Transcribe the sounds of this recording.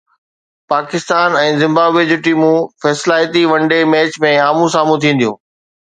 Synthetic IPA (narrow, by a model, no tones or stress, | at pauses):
paːkɪst̪aːnɛ̃ːzɪ̃mbaːbed͡ʑʊʈiːmũfɛːslaːɪjt̪iʋɐ̃ɳɖemɛːt͡ɕmẽaːmũsaːmũt̪ʰĩːn̆d̪ijũː